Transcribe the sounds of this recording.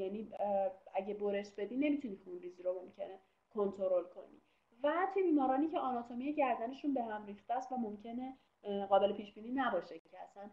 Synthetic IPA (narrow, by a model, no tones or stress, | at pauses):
jæniːæɟebo̞ɾeʃbe̞d̪iːne̞mit̪ʰunixunɾiːziɾomo̞mcʰe̞ne | kʰo̞nt̪ʰo̞ɾo̞lkʰo̞nḭ | væt̪ʰujebiːmɒːɾɒːniːcʰeɒnɒt̪ʰomijeɟæɾd̪æne̞ʃunbe̞ɦæmriːxt̪ææst̪væmo̞mcʰe̞ne | ɣɒːbe̞lepʰiːʃbiːniːnæbɒːʃeicʰeæsæn